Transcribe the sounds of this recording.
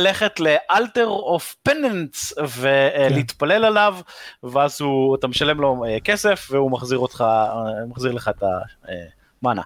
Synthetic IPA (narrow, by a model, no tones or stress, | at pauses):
leχetleʔalteʁofpenentsve̞liit̪pale̞lalavveazhuat̪ameʃale̞mlo̞eke̞se̞fveumaχziʁotχamaχziʁleχaet̪a̰ḛ | mana̰